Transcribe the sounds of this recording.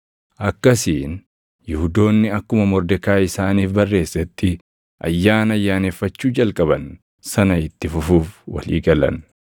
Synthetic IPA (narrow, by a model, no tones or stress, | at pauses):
ʔɐkːɐsiːn | jɪhʊd̪o̞ːnːɪɐkːʊmɐmɔɾd̪ɛkaːɪsaːniːfbɐrːe̞ːsːɐt̪ːɪ | ʔɐ̰jːaːnɐjːaːne̞ːfːɐt͡ʃːuːd͡ʒɐlkʼɐbɐn | sɐnɐɪt̪ːɪfʊfuːfwɐ̰lḭːɡɐlɐ̰n